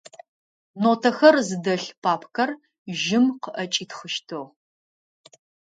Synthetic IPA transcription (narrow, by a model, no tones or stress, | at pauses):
noːtʰɐxɐrzɨdɐɬpʰaːpʰkʰɐr | ʒɪmqəʔɐt͡ʃʼiːtχəʃtʰoʁ